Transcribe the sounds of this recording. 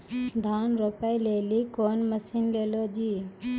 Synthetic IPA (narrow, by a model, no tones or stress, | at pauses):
d̪ʱanɾopajlelikoːnməsinlelod͡ʒi